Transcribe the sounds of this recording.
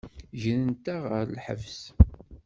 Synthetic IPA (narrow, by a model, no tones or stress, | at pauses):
ʒənənt̪æʁəɾlħə̰vs